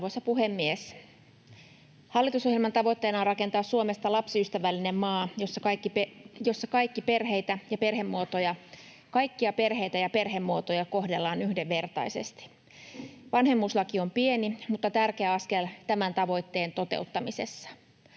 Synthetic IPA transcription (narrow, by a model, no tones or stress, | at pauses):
osɑpuhemːies | hɑlːit̪uso̞hjelmɑnt̪ɑʋo̞jt̪ːe̞ːnɑrɑke̞nt̪ɑːssuome̞st̪ɑlɑpsyst̪æʋælːine̞mmɑːjosːɑkɑkːipjo̞sːɑkɑjkːipe̞rɦe̞jt̪æjɑpe̞rɦe̞mːuot̪ojɑ | kɑjkːiɑpe̞rɦe̞jt̪æjɑpe̞rɦe̞mːuot̪ojɑko̞hde̞lːɑːnyhdeʋːe̞rt̪ɑ̰ise̞̰st̪i̥ | ʋɑnhe̞mːuslɑkio̞mpienimut̪ːɑt̪ærkeæɑske̞lt̪æmænt̪ɑʋo̞jt̪ːe̞ːnt̪o̞t̪ḛut̪ːɑmise̞̰sːɑ̥